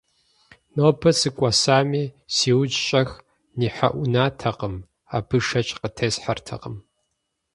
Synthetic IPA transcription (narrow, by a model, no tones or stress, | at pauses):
noːpʰɐsɨkʷʼɐsaːmiːsiːwd͡ʒɕʼɐx | niːħa̰ʔʷʊnaːtʰɐqəm | a̰ːbʰɨʂɐt͡ʃʼqətʰeːsħartʰɐ̰qəm